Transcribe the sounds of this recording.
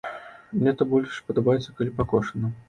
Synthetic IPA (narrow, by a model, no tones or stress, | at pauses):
mnʲɛt̪ɐbɔlʲʂpɐd̪ɐbajɛt̪sːɐkalʲipakɔʂɐnɐ